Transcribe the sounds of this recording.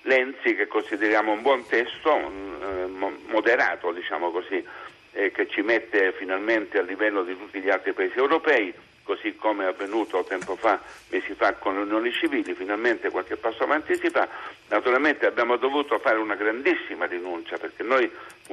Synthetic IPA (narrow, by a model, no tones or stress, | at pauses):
lɛnsik̟ekːonsid̪eɾjaːmoumbwɔnt̪ɛst̪o | mod̪eɾa̰ːt̪od̪it͡ʃa̰ːmokosi | k̟et͡ʃːimet̪ːefinalment̪ealːivɛlːod̪it̪ut̪ːiʎialt̪ɾipaeːsiewɾopɛːi | kosikːomeavːenuːt̪ot̪ɛmpofamʔeːsifakːonleunjoːnit͡ʃiviːlifinalment̪ekwalk̟epːasːoavant̪isifanat̪uɾalment̪eabjaːmod̪ovuːt̪ofaːɾeunaɡɾand̪isːimarinunt͡ʃaperk̟enːoj